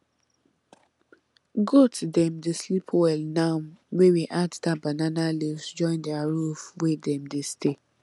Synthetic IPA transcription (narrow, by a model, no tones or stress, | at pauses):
ɡotʰudɛ̃mdeslipʰwɛlnãwɛwiʔatdabananalivsd͡ʒɔ̃ɪ̃ndɛaɹufwedɛ̃mdestʰe